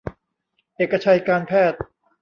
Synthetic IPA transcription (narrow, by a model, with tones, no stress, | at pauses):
ʔeː˨˩kːa˧t͡ɕʰa˧jkaː˧npʰɛː˥˩t̪̚